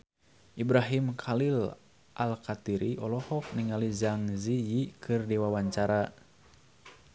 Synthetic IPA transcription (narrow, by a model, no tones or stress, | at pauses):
ʔibɾaɦimkʰalil | ʔalkat̪iɾiʔɔlɔhɔk̚niŋalizaŋzijikʰɨrdiwawaɲt͡ʃaɾa